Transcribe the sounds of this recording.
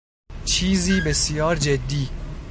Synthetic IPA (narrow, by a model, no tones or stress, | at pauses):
t͡ʃʰiːziːbesjɒːɾd͡ʒed̪ːiː